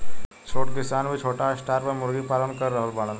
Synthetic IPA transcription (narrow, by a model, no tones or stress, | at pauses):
t͡ʃʰoːʈkɪsaːnbʱit͡ʃʰoːʈaɪsʈaːɾpɐɾmʊɾɡipaːlənkɐɾːəɦəlbaːlən